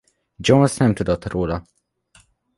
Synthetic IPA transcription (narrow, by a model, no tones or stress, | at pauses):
d͡ʒonsnɛmt̪ud̪ot̪roːlɒ